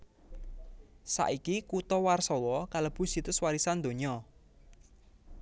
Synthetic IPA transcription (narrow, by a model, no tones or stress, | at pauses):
sa̰ʔikikut̪ɔwarsɔwɔkaləb̥ʊ̤sit̪ʊswaɾisand̪o̤ɲɔ